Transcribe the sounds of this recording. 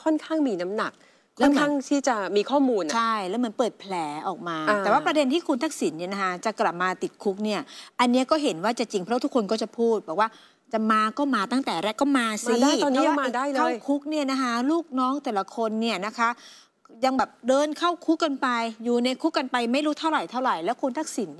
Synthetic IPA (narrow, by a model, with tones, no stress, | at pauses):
kʰɔ˥˩nkʰaː˥˩ŋmiː˧na˦˥mna˨˩k̚ʰː | ɛ˦˥˦nʰaː˥˩ŋt̪ʰiː˥˩t͡ɕa˨˩miː˧kʰɔː˥˩muː˧nt͡ɕʰa˥˩jlɛ˦˥wma˧˥npɤː˨˩t̪̚pʰlɛː˩˦ʔɔː˨˩k̚maː˧t̪ɛː˨˩waː˥˩pɾa˧de˧nt̪ʰiː˥˩kʰu˧nt̪ʰa˦˥k̚si˩˦nːi˥˩ɐna˦˥kʰa˦˥t͡ɕa˨˩kla˨˩p̚maː˧t̪i˨˩t̪̚kʰu˦˥k̚ni˥˩ɐʔa˧nːi˦˥ɐkɔː˥˩ɦe˩˦nwaː˥˩t͡ɕa˨˩t͡ɕi˧ŋpʰɾɔ˦˥t̪ʰu˦˥kʰːo˧nkɔː˥˩t͡ɕa˨˩pʰuː˥˩t̪̚bɔː˨˩k̚waː˥˩ | t͡ɕa˨˩maː˧kɔː˥˩maː˧t̪a˥˩ŋt̪ɛː˨˩ɾɛ˦˥kɔː˥˩maː˧si˧˦˥a˥˩jɔː˧nːi˦˥˧ɔ˥maː˨˧daː˥˩jlaː˥˧˩jkʰu˦˥k̚ni˥˩ɐna˦˥kʰa˦˥luː˥˩k̚nɔː˦˥ŋt̪ɛː˨˩la˧˦kʰo˧nːi˥˩ɐna˦˥kʰa˦˥ | ja˧ŋbɛː˨˩p̚dɤː˧nkʰa˥˩wkʰu˦˥kːa˧npa˧jjuː˨˩na˧jkʰu˦˥kːa˧npa˧jma˥˩jɾuː˦˥t̪ʰa˥˩wɾa˨˩jt̪ʰa˥˩wɾa˨˩jlɛː˦˥wkʰu˧nt̪ʰa˦˥k̚si˨˩˦n˥˩